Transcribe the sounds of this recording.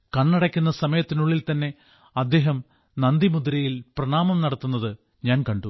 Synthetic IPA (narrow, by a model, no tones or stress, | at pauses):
kɐɳːɐɽɐkʲːunːɐsɐmɐjɐt̪ːinuɭːilt̪ɐnːe̞ | ɐd̪ːe̞ːɦɐm | nɐnd̪imud̪uɾɐjilprɐɳaːmɐmnɐɽɐt̪ːunːɐðɨ | ɲaːnkɐɳɖu